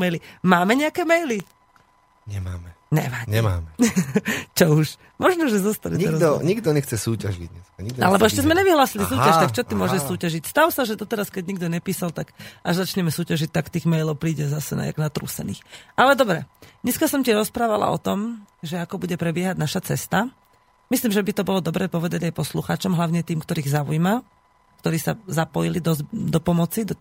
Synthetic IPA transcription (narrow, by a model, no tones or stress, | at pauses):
mɛjlimaːmɛɲɛakɛːmɛjli | ɲɛmaːmɛ | ɲɛ̰ʋaɲɛmaːmɛ | t͡ʃɔuʃ | mɔʒnɔʒɛzɔst̪alɛt̪ɛɾaɲiɡd̪ɔɲɛxt͡sɛsuːcaʒḭɟɲɛ̰skaɲiɡ̪a̰lɛbɔɛʃcɛzmɛɲɛʋiɦlaːsilisuːaʃt̪akt͡ʃɔt̪imʊɔʒɛʃsuːcaʒicst̪aʊsaʒɛd̪ɔt̪ɛɾaskɛɟɲiɡ̚d̪ɔɲɛpiːsalt̪aɡʔaʒzat͡ʃɲɛmɛsuːcaʒic̚t̪akt̪iːɣmɛjlɔʊpɾiːɟɛzasɛna̰a̰ɡnat̪ɾṵːsɛ̰nḭːxʔalɛd̪ɔbɾɛɲɛskasɔmciɾɔspɾaːʋala̰ɔ̰t̪ɔmʒɛakɔbuɟɛpɾɛbɪɛɦaɟnaʃat͡sɛst̪a | misliːmʒɛbit̪ɔbɔlɔd̪ɔbɾɛːpɔʋɛd̪aɟajpɔsluxaːt͡ʃɔmɦlaʊɲɛt̪iːmkt̪ɔɾiːɣzaujma | kt̪ɔɾiːsa̰zapɔjilid̪ɔzd̪ɔpɔmɔt͡sid̪ɔ